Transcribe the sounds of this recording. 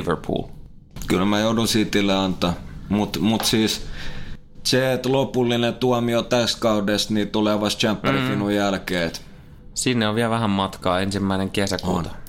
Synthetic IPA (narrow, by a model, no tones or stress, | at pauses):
ʋə̰rpʰṵːl | kylmæjoˑudusiːt̪ːilːeɑnt̪ˑɑmut̪mut̪siːs | seet̪lopulːinet̪uɑmiot̪æskɑudest̪niːt̪uleːʋɑst̪t͡ʃæmpːærifinujælkeːt̪ | sinːeoʋʋiælʋæhæmmɑt̪kɑːensimːæineŋkesækṵːt̪ɑ̥